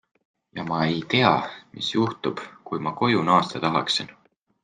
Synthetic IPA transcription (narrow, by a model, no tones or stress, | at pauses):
jɑmɑe̞jt̪e̞ɑ̰mḭsjuht̪ub̥kujmɑko̞junɑːst̪ɑt̪ɑɦɑ̰ksin